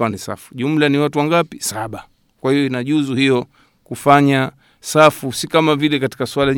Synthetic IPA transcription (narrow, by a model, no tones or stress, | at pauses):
anisa̰fu̥ʄum̩laniwatuwaŋɡapisaɓa | kwahijɔinaʄuzuhijɔ | kufaɲa | safusikamavilɛkati̥kasualaɲ